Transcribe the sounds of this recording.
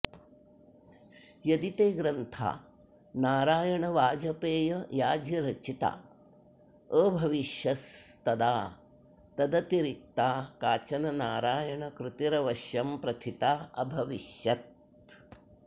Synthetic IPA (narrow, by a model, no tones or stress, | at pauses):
jɐd̪it̪eːɡɾɐnt̪ʰa̰ː | naːɾaːjɐɳɐʋaːd͡ʒɐpeːjɐjaːd͡ʒjɐɾɐt͡ʃit̪a̰ | əːbʱɐʋiʃjɐst̪ɐd̪aː | t̪ɐd̪ɐt̪iɾik̚t̪aːkaːt͡ʃɐnɐnaːɾaːjɐɳɐkɾut̪iɾɐʋɐʃjɐmpɾɐt̪ʰit̪aːɐbʱɐʋiʃjɐt̪̚